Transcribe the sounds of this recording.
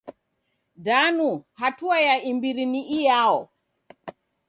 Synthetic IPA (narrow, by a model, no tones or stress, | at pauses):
danuhatuajaimbiɾiniʔijaɔ